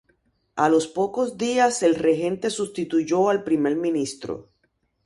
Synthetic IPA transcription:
alo̞spo̞ko̞sd̪iase̞lre̞ɦẽ̞nt̪e̞sust̪it̪uʝo̞alpɾime̞ɾmĩnist̪ɾo̰

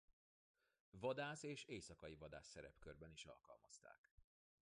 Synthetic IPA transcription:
vɒd̪aːseːʃeːsɒkɒjivɒd̪a̰ːsːɛɾɛpkørbɛniʃɒ̰lkɒ̰lmɒst̪a̰ːk

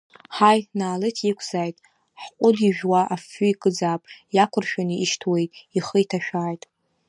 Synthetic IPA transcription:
ħajnaːlɨtʰikʷʰz̥aːjtʼ | ħqʷʼʊdiʒᶣwaʔafʊikʼɨd͡zaːpʼjakʷʰʊrʃᶣaniʔiʃtʰwe̞jtʼiχəitʰaʃᶣaːjtʼ

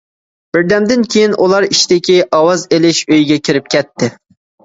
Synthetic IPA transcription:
b̥ɪɾd̪ɛmd̪ɪnkʲʰejinʔulˠɑɾit͡ʃd̪ɪkʲiʔɑwɑzelɪʃøjɡʲɛkʲʰiɾɪp̚kʲʰɛt̪ʰːɪ

